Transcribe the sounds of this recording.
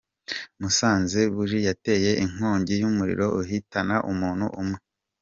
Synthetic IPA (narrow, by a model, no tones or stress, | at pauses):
musaːnzeβuɾijate̞je̞ʔiŋ̥hoːɲɟijumuɾḭɾo̞ʔuɦitanaʔumuːnhṵʔumŋe